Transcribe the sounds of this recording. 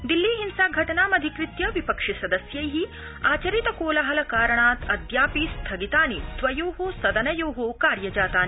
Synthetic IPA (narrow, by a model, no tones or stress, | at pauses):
d̪ilːiːɦinsaːɡʱɐʈɐnaːmɐd̪ʱikɾit̪jɐʋipɐkʂisɐd̪ɐsjɐjɦi | aːt͡ʃɐɾit̪ɐkoːlɐɦɐlɐkaːɾɐɳaːt̪ɐd̪jaːpist̪ʰɐɡit̪aːnit̪ʋɐjoːɦoːsɐd̪ɐnɐjoːɦoːkaːɾjɐd͡ʒaːt̪aːni